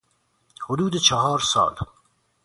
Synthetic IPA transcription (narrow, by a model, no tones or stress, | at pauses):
hʊd̪uːd̪et͡ʃʰɑɦɑːɾsɑ̰ːl